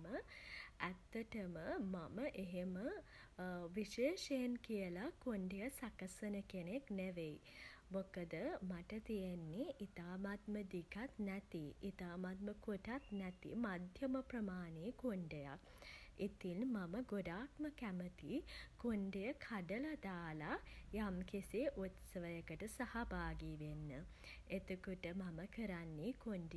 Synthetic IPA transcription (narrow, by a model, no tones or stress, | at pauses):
məæt̪ːəʈəməmaməʔeɦemə | ʋiʃeːʃejenkijəlakoɳɖejəsakɐsənəkenekneʋej | mokəd̪əmaʈət̪ijenːiʔit̪aːmat̪məd̪ikat̪nɛt̪iit̪aːmat̪̚məkoʈat̪næt̪ḭmad̪ʱjəməpɾəmaːneːkoɳɖeja̰k | it̪inmaməɡoɖaːt̪məkæmət̪ikoɳɖejəkʰaɖəlɐd̪aːlajamkiseʔut̪səʋəjəkəʈəsahabaːɡiʋenːə | et̪ukuʈəmaməkəɾanːikoɳɖe